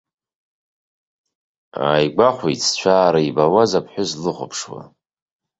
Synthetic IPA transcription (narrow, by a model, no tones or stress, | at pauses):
a̰jɡʷaχʷejt͡sʰt͡ʃʷʰaːɾaibawazapʰħʷᶣʊzlɨχʷʊ̰pʰʂwa̰